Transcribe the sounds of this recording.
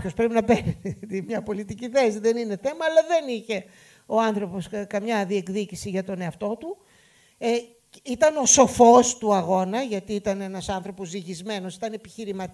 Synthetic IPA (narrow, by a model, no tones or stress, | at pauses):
o̞spɾepinɐpent̪imɲɐpo̞lit̪iciθe̞siðe̞nine̞θe̞mɐːlɐðe̞niçe̞ | o̞ɐnθɾo̞po̞skɐmɲɐðie̞kðicisiʝɐt̪o̞ne̞ɐft̪o̞t̪u | it̪ɐno̞so̞fo̞st̪uɐɣo̞nɐʝɐt̪iit̪ɐne̞nɐsɐnθɾo̞po̞zðiʝizme̞no̞si̥t̪ɐne̞pi̥çiɾimɐt̪